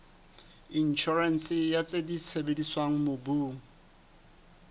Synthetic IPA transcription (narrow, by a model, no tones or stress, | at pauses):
in̩t͡ʃʰɔrɛnsɪjat͡sʼedisʰebediswaŋ̩mobuːŋ̩